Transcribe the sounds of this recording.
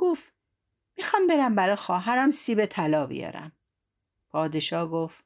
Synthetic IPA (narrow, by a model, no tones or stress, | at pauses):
ɡ̥of | miːxɒːmbeɾæmbæɾɒxɒːɦæɾæmsiːbet̪ʰælɒːbḭjɒ̰ːɾæ̰m | pʰɒːd̪eʃɒːhɡoft̪